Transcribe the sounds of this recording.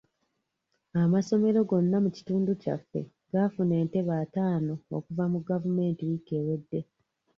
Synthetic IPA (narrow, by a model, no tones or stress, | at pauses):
amaso̞me̞ɾo̞ɡo̞nːamuci̥tuːnduca̰fːe̞̰ | ɡafune̞ːnte̞βaːtaːno̞o̰kuvamuɡavume̞ːntiwike̞ːwe̞dːe̞